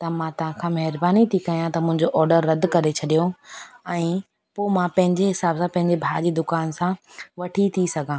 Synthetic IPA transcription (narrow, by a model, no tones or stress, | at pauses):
t̪ɐmãt̪ɐʋ̤ãkʰãːmɐɦɪɾbaːnit̪ʰikɐjãt̪ɐmʊ̃ɦɪ̃ɲd͡ʑoʔɔːɾɖəɾːɐd̪kɐɾet͡ɕʰɐɗijoɛ̃ː | poːmãpɐ̃ɦɪ̃ɲd͡ʑeɦɪsaːbsãpɐ̃ɦɪ̃ɲd͡ʑebʱaːd͡ʑiːd̪ʊkaːnsãʋɐʈʰit̪ʰisɐɡʱãː